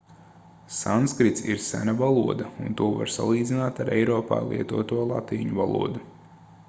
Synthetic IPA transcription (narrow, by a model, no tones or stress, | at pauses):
sanskɾit̪siɾsæ̰navalˠuɔd̪aunt̪uɔva̰ɾsa̰lˠiːd̪zʲinaːt̪aɾɛ̰jɾɔːpa̰ːlˠḭɛt̪uɔt̪uɔlˠa̰t̪iːɲuvalˠṵɔd̪u